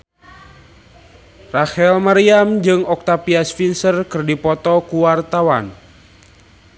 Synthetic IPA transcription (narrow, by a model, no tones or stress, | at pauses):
rahɛlmaɾiamd͡ʒɨŋɔk̚t̪apiasfinsərkɨrdipɔt̪ɔkuwart̪awan